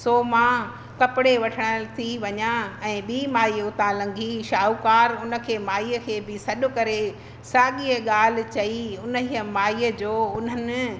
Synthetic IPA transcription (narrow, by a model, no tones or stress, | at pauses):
soːmã | kɐpɪɽeʋɐʈʰəɽ̃ət̪ʰiʋɐɲaɛ̃ːɓiːmaːiːʊt̪ãlɐ̃ŋɡʱiʃaːukaːɾʊnə̆kʰeːmaːiːəkʰeːbɪsɐɗʊkɐɾe | saːɠiəɠaːl̤ɪ̆t͡ɕɐiʊnəɦiəmaːiːəd͡ʑoːʊnɦənɪ̆